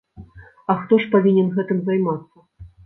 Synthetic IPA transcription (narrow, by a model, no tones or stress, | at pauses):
ɐxt̪ɔʂpavʲinʲɛnɣɛt̪ɨmzajmat̪sːɐ